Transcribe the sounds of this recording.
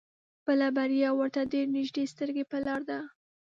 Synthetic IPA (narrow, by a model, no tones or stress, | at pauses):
bəlabaɾjɑwəɾt̪ad̪eɾnɪʒd̪est̪əɾɡepəlɑɾd̪a